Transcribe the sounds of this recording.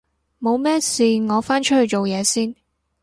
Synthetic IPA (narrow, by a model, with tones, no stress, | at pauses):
mo˨˧wmɛː˥siː˨ŋɔː˨˧faː˥nt͡ʃʰɵ˥t̚hɵ˧ɥt͡ʃo˨wjɛː˨˧siː˥n